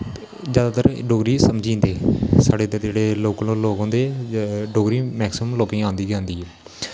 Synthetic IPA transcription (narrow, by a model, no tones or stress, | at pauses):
d͡ʒjaːd̪aːt̪əɾɖoːɡɾiːsəmd͡ʒĩːnd̪eːsaːɖeːt̪ed͡ʒeːɽeːloːklõːloːkõːnd̪eːɖoːɡɾiːmɛːksɪmmloːpĩːãːnd̪iːɡɛ̃ːnd̪iː